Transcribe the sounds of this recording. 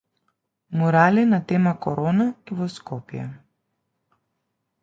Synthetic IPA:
mɔɾalinat̪ɛmakɔɾɔnaivɔskɔpjɛ̰

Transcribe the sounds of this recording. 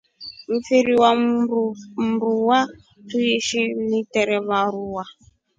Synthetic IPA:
m̩fiɾiwa | m̩ɾuwa | tuiʃinitɛɾɛβaɾuwa

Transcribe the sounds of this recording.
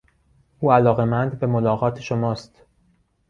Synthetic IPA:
ʔuːælɒːɣemænd̪be̞molɒːɣɒːt̪ʰeʃomɒːst̪

